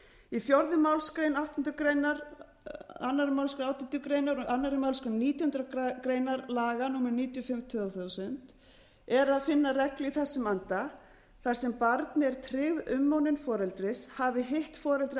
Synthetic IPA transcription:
ifjɔɾðʏmawlskɾejnawht̪ɪnt̪ʏkɾejnaɾ | anːaɾɪmawlskɾenaːwht̪ɔnt̪ʏkɾeːjnaɾanːaɾɪmawlskʏniːt̪jhʏnt̪ɾakɾeːjnaɾlaːɣanuːmaɾniːt̪jɔfɪmt̪ʰʏθawsʏnt̪ | ɛɾaðfɪnːarɛkliθɛsːʏmant̪a | θaɾ̥sɛmpaɾt̪nɪɛɾ̥t̪ʰɾɪɣðʏmːawnɪnfɔːɾɛlt̪ɾɪshavɪɦeht̪fɔːɾɛlt̪ɾɪ

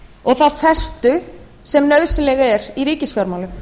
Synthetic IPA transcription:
ɔɣθaðfɛ̥st̪ʏ | sɛmnœɥðsɪnlɛɣɛɾiɾiːcɪsfjaɾmawlʏm

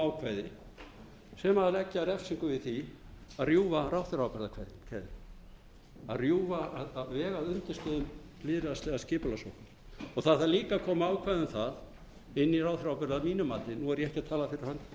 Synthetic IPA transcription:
awkʰvaːjðɪ | sɛmalɛcːɪaɾɛfsiŋkʏvɪðθiaðrjuːvaɾawθɪɾawpɛɾðakʰvajðɪnkʰɛðɪ | a̰ðrjuːvaaðaðvɛːɣaðʏnt̪ɪst̪œðʏm | lɪːðɾɪast̪ɛɣascɪːpʏlasɔwhka | ɔθaðθaɾliːkakʰɔːmaaːwkʰvajðʏmθað | ɪnːiraːwθɾawpɛɾðamiːnʏmaːt̪ɪnuɛɾjɛɛhcɪat̪ʰaːlafɪɾɪɾ̥hanː

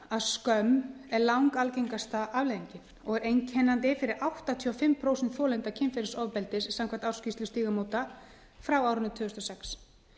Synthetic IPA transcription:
aðskœmɛɾlawŋkalceŋkast̪aʔavleðiɲcɪ̥ | ɔɣɛɾejncʰɛnːant̪ɪfɪɾɪɾawht̪at̪ʰiːɔfɪmpʰɾoːwsɛnt̪θjɔːlɛnt̪acʰɪnfɛɾɪsɔvpɛlt̪ɪssamkʰvaht̪awɾ̥scɪst̪lʏst̪iːɣamoːwt̪a | fɾawawɾʏnʏt̪ʰʏːɣʏst̪ɔsɛks

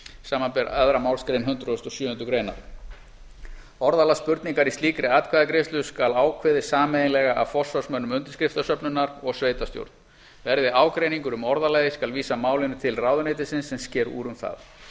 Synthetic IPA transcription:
saːmanpɛɾœðɾamaːwlskɾejnɦʏnt̪ɾʏɔst̪ɔsjʏːhʏnt̪ʏkɾeːjna̰ɾ | ɔɾðalaspʏɾt̪niŋkaɾist̪iːkɾɪaːt̪̚kʰvaðakɾest̪lʏskalaːwkʰvɪðɪsaːmɛðɪnlɛɣaʔa̰fɔ̥svɔ̥smœnːʏmʏnt̪ɪ̥ɾskɾɪft̪asœpnʏnːaɾɔɣsveːjt̪ast̪jo̰wɾt̪n | vɛɾðɪʔaːwkɾejniŋkʏɾʏmɔɾðalajðɪskalviːsamaːwlɪnɪt̪ʰɪlraːwðʏnejt̪ɪsɪnsːɛmscɛːɾṵːɾʏmθa̰ð

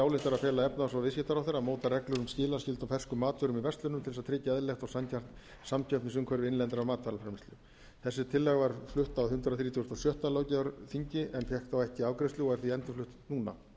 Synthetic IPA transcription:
aːwlɪht̪aɾafɛːlaɛpnaasavɪs̬cɪht̪aɾawθɛɾːamoːwt̪arɛklʏɾʏmscɪːlḁscɪlt̪afɛr̥skʏmaːt̪vʏɾʏmivɛst̪lʏnʏmt̪ʰɪlsaðt̪ʰɾɪːcaɛðlɛxt̪ɔɣsancʰar̥t̪ | samcʰœpnɪsʏŋkʰœɾvɪɪnlɛnt̪ɪɾamaːt̪vaɾlafɾɛmɪst̪ʏ | θɛsːɪt̪ʰɪlːɛɣvaɾ̥flʏht̪awhʏnt̪ɾðaθɾiːt̪ʰjst̪awsjœht̪aloːwcaʏɾθiɲcɪʔɛnfjɛhkθawɛhcɪaːwkɾɪst̪lʏɔɣɛɾ̥θiɛnt̪ʏflʏht̪nuːna̰

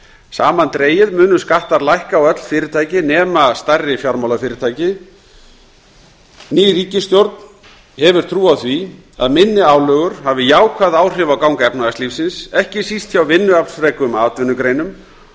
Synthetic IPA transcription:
sa̰ːmant̪ɾeːjɪðmʏːnʏskaht̪aɾlajhkawœt̪l̥fɪːɾɪt̪ʰaːjcɪnɛːmast̪arːɪfjawɾmawlafɪːɾɪt̪ʰaːjcɪ | niːɾiːcɪst̪jowɾt̪̚n | hɛvʏɾ̥t̪ʰɾuːaθvi | a̰ðmɪnːɪaːwlœːɣʏɾ̥havɪjaːwkʰvaðaːwr̥ɪvakawŋkaɛpnaɣast̪lifsɪnsɛhcɪsist̪çawvɪnːʏapn̥sfɾɛkʏmaːt̪vʏnʏkɾeːjnʏm

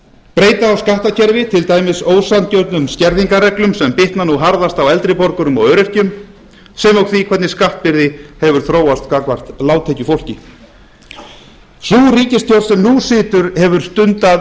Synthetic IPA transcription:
pɾeːjt̪aːwskaht̪acʰɛɾvɪt̪ʰɪlt̪aːjmɪsoːwsant̪cœwt̪nʏmscɛɾðiŋkarɛklʏmsɛmpɪht̪nanuɦaɾðast̪awɛlt̪ɾɪpɔɾkʏɾʏmɔ̰œɥɾɛr̥cʏm | sɛmowɣθvikʰvɛt̪nɪskaht̪̚pɪɾðɪhɛvʏɾ̥θɾoːwast̪kakvar̥t̪laːwt̪ʰeːcʏfowl̥cɪ | θuːriːcɪst̪ʰjɔɾsɛmnusɪːt̪ʏɾhɛvʏɾ̥st̪ʏnt̪a

